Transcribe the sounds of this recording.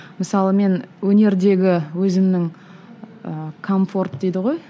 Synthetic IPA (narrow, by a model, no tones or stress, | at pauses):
məsɑlˠəme̞nwɵne̞ɾd̪e̞ɡʲɪwɵzɪmnɪŋ | əkʰo̞ɱfo̞rt̪̚d̪ejd̪ɪʁo̞j